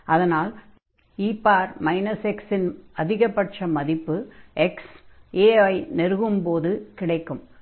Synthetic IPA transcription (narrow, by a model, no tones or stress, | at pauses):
ɐðɐnaːl | iːpːaːɾmɐɪnɐsɛksɪnɐðɪɣɐpːɐʈʂɐmɐðɪpːɯʔɛkseːɐɪnɛɾɯɣɯmpoːðɯkɪɽɐɪkːɯm